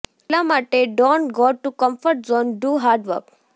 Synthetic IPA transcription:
lamaʈeɖõɳʈɡɔʈːukəmfəɾʈzɔnɖuːɦaɾɖʋə̰ɾk

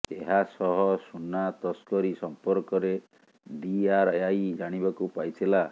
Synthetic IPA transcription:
eɦasɔɦɔsunat̪ɔskɔɾisɔmpɔɾkɔɾe | ɖiaɾajd͡ʒaɽ̃ibakupajtʰila

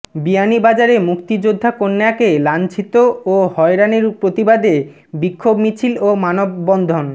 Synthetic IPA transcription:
bianibad͡ʑaɾemukt̪id͡ʑod̪ʱːakonːeakelant͡ɕʰit̪oohɔeɾaniɾpɾot̪ibad̪e | bikʰːobmit͡ɕʰilomanobːɔnd̪ʱon

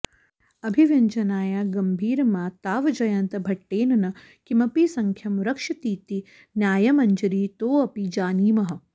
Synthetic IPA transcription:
ɐbʱiʋɐɲt͡ʃɐnaːjaːɡɐmbʱiːɾmaːt̪aːʋɐd͡ʒɐjɐnt̪ɐbʱɐʈːeːnɐnɐ | kimɐpisɐŋkʰjɐmɾɐkʂɐt̪iːt̪i | njaːjɐmɐɲd͡ʒɐɾiːt̪oːɐpid͡ʒaːniːmɐɦɐ̆

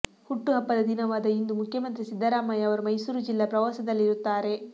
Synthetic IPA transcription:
huʈːuɦɐpːɐd̪ɐd̪inɐʋaːd̪ɐind̪umukʰjɐmɐnt̪ɾisid̪ʱːɐɾaːmaːjɐɐʋɐɾumɐjsuːɾud͡ʒilːɐpɾɐʋaːsɐd̪ɐlːiɾut̪ːaːɾe̞

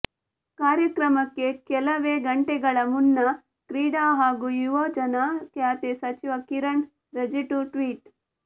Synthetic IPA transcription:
kaːɾjɐkɾɐmɐkːekɛlɐʋeːɡɐɳʈeɡɐɭɐmunːɐ | kɾiːɽaːɦaːɡujuʋoːd͡ʒɐnaːkjaːt̪esɐt͡ʃiʋɐkiɾɐɳ | ɾɐd͡ʒiʈuʈʋiːʈ

